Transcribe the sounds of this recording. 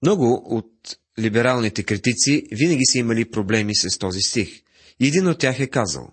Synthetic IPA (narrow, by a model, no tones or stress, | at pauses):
mnɔɡʊot̪̚ | libɛɾalˠnit̪ɛkɾit̪it̪sivinɐɡ̟isəimɐlipɾoblɛmisɐst̪ɔzist̪ix | iɛd̪inot̪̚ːʲjaxɛkazə̰lˠ